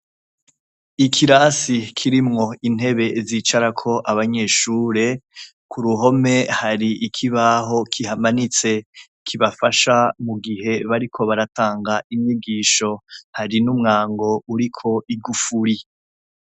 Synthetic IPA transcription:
ikʰiɾasikʰiɾimŋo̞in̥e̞βe̞ziːt͡ʃaɾakʰo̞ʔaβaɲe̞ʃuːɾe̞ | kʰuɾuɦo̞me̞haɾiʔːkʰiβaɦo̞kʰihamanit͡se̞ | kʰiβafaʃamuɡihe̞βaɾikʰo̞βaɾataːŋɡaimɲiɡiːʃo̞haɾinumŋaːŋɡo̞uɾikʰo̞ʔiɡufuɾi

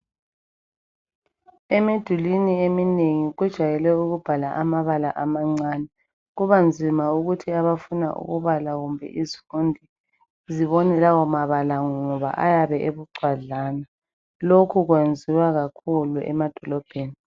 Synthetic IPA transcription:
ɛmed̥ʱuliniemineŋiɣwɛd̥ʒ̥ʱajɛlɛuɣub̥ʱalaʔamaβalaʔamaŋ͡ǀaːnɛ | ɣuβand͡zʱimauɣutʰiaβafuna̰ʔṵɣuβalaɣumbʱɛ̰ʔizifundʱi | ziβɔnɛlawɔmaβalaŋŋɔβa̰ʔa̰jaβɛʔeβuɡ͡ǀʱwaɮaːna | lokʰuɣwend͡zʱiwaɣakʰuluʔɛ̰mad̥ʱɔlɔb̥ʱeːni

